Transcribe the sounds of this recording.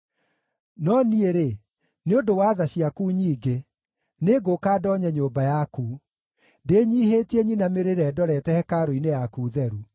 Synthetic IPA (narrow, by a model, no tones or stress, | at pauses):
nɔnieɾe | neondowaðaɕiakuːɲiːɡe | neɡokaːdɔɲɛɲoːmbajaku | ndeːɲiːɦetieɲinameɾeɾɛdɔɾɛtɛhɛkaɾoinejakuːðɛɾu